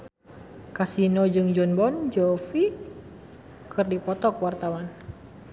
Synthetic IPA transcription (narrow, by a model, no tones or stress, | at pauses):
kasinɔd͡ʒɨŋd͡ʒɔnbɔnd͡ʒɔfi | kʰɨrdipɔt̪ɔkwart̪awan